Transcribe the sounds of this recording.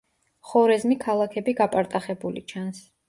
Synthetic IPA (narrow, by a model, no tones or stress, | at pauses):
χɔɾɛzmikʰalˠakʰɛbiɡapʼaɾt̪ʼaχɛbulḭt͡ʃʰans